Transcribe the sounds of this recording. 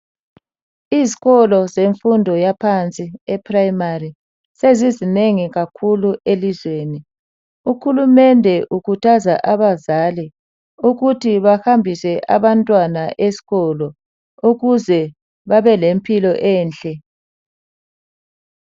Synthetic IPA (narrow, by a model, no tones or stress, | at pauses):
iziɣɔlɔzeɱfundʱɔjapʰant͡sʼiɛpʰʼrajmari | sezizineŋiɣakʰuluelizweːni | uxhulumɛndʱɛʔukʰutʰazaʔaβazali | uɣutʰiβaxambʱisɛʔa̰βantʼwanaʔesi̥ɣɔlɔ | uɣuzɛ | βaβɛlempʰʼilɔʔɛːnt͡ɬʼɛ